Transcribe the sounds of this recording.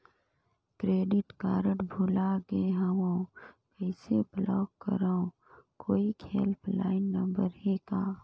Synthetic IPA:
kɾeːɖɪʈkaːɾəʈbʱulaɡeɦaʋõːkəɪseblɔːkːə̰ɾaõ | koːikʰeːlpʰla̰ːɪnːɐ̃mbəɾɦekaː

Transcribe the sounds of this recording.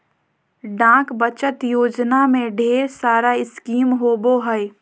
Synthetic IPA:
ɖãːkbət͡ʃət̪joːd͡ʒnamẽɖʱeːɾsaːɾaɪskiːmɦoːboɦəɪ

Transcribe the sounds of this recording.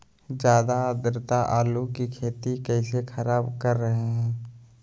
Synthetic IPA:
d͡ʒjaːd̪ad̪ɾɪt̪aʔaːlukikʰeːt̪ikɛːsexʰɐɾaːbkɐɾːɐɦeɦɛ̃ː

